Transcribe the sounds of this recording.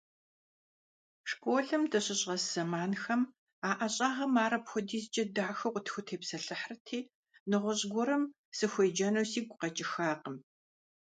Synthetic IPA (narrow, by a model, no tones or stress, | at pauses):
ʂkʷʼoːɮɨmtʰɐɕʼɪɕʼʁɐszɐmaːnxɐm | aːʔɐɕʼaːʁɐmaːɾɐpxʷʊdiːzd͡ʒɐdaːxɐqʷʊtʰxʷʊtʰeːpsɐɬɨħrɨtʰiː | nɨʁʷʊɕʼɡʷʊɾɨm | sɨxʷeːd͡ʒɐnɐwsiːɡʷʼqɐt͡ʃʼɪxaːqəm